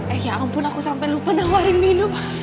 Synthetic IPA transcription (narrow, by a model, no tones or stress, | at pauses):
ɛjampʊnakusampɛlupanaŋwaɾɪŋminʊm